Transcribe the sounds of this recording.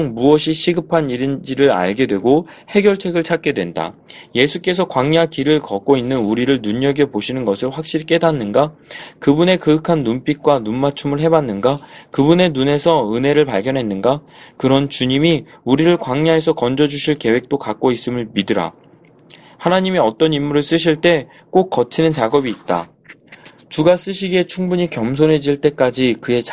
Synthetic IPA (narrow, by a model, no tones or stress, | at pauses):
oŋmuʌɕʰiɕʰiɡɯpʰaniɾind͡ʑiɾɯɾa̰ɭɡe̞dwe̞ɡo | he̞ɡjʌɭt͡ɕʰe̞ɡɯɭt͡ɕʰak͈e̞dwe̞nda̰je̞sʰuk͈e̞sʰʌkwaŋɲakiɾɯɭkʌk͈oinːɯnuɾiɾɯɭnuɲːʌɡepoɕʰinɯnɡʌsʰɯɭɸwak̚ɕ͈iɾik͈e̞danːɯnɡakɯbune̞kɯɯkʰanːump͈ik̚k͈wanunmat͡ɕʰumɯɭɦe̞banːɯnɡakɯbune̞nune̞sʰʌɯne̞ɾɯɭpaɭɡjʌnɦe̞nːɯnɡakɯɾʌnt͡ɕuɲimiuɾiɾɯɭkwaŋɲaɦe̞sʰʌkʌnd͡ʑʌd͡ʑuɕʰiɭke̞we̞k̚t͈okak͈̚ois͈ɯmɯɭmidɯɾa̰ | hanaɲimiʌt͈ʌnimːuɾɯɭs͈ɯɕ̬ʰiɭt͈e̞ | k͈ok̚k͈ʌt͡ɕʰinɯnt͡ɕaɡʌbiːt̚t͈a̰ | t͡ɕuɡas͈ɯɕ̬ʰiɡe̞t͡ɕʰuŋbuɲikjʌms̬ʰonɦe̞d͡ʑiɭt͈e̞k͈ad͡ʑikɯe̞t͡ɕ